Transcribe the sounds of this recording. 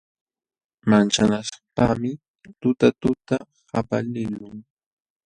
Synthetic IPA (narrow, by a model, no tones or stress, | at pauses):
mant͡ʃanaʃḁpamɪ | t̪ʊt̪at̪ʊt̪a | hapalɪlʊŋ